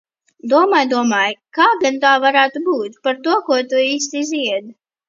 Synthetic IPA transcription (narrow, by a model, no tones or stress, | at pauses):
d̪uɔmaːjd̪uɔmaːjkaːɡant̪aːvaɾaːt̪ubuːt̪paɾt̪uɔkuɔt̪uiːst̪iiziɛd̪